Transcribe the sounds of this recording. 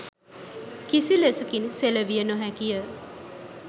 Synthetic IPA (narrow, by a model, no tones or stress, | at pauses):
kisilesukinseləʋijənoɦækijə